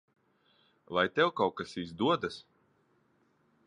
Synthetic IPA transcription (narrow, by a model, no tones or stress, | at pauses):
lajt̪ɛwkawkasizd̪uɔd̪as